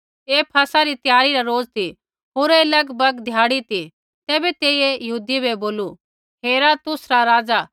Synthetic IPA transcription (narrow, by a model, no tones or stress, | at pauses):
eːpʰɐsaɾit̪jaːɾiɾaɾoːd͡zt̪i | ɦoːɾelɐɡbɐɡd̪ʱjaːɽit̪i | t̪eːbɛt̪eːiejɐɦuːd̪ibeboːlu | ɦeːɾat̪ʊsɾaɾaːd͡za